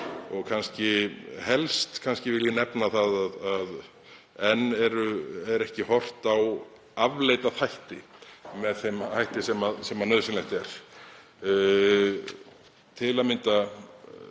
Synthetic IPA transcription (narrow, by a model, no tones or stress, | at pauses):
ɔɣkʰanscɪhɛlst̪kʰanscɪvɪljɪnɛpnaθaðaðað | ɛnːɛɾʏɛɾɛhcɪhɔr̥t̪aw | avleːjt̪aθajht̪ɪmɛðθemhajht̪ɪsɛmasɛmanœðsɪnlɛjht̪ɛɾ̥ | t̪ʰɪlaðmɪnt̪a